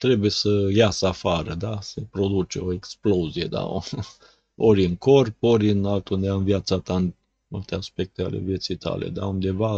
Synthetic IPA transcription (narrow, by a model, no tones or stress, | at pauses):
t̪ɾe̞buje̞səjasəafaɾəd̪asepɾo̞d̪ut͡ʃeo̞e̞ksplozije̞d̪a̰ | oɾʲiɨŋko̞rpo̞ɾʲɨnalt̪und̪eamvijat̪sat̪aɨn | mult̪e̞aspe̞k̚t̪eale̞̰vje̞t̪sijt̪ʰa̰lḛd̪a̰und̪e̞va